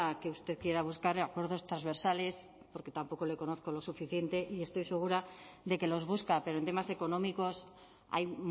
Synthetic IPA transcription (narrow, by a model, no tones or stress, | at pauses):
keust̪eðkjeɾaβ̞uskaɾakweɾðo̞st̪ɾazβ̞eɾsale̞s | po̞ɾket̪ampo̞ko̞le̞ko̞noθko̞losufiθjent̪e̞ʔie̞st̪ojse̞ɣ̞uɾaðe̞ke̞lo̞zβ̞uskapeɾoent̪emase̞ko̞nomiko̞s | a̰jm